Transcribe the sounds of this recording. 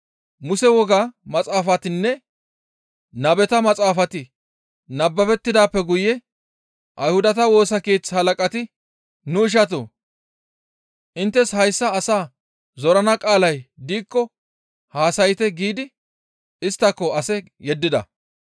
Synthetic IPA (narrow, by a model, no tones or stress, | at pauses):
mʊsɛwɔɡaːmɐt͡sʼaːfɐt̪ɪnːɛ | nɐbɛt̪ɐmɐt͡sʼaːfɐt̪ɪ | nɐbːɐfɛt̪ːɪd̪aːpːɛɡʊjːɛ | ʔɐjhʊd̪ɐt̪ɐwo̞ːsɐkeːt͡shɐlɐkʼɐt̪ɪ | nʊɪʃ̬ɐt̪̬o̰ː | ʔɪnt̪ːɛshɐjsːɐːsaː | zɔɾɐnɐkʼaːlɐjd̪iːkːɔ | haːsɐjɪt̪ɛɡiːd̪ɪ | ɪst̪ːɐkːɔɐsɛ | jɛd̪ːɪd̪ɐ̰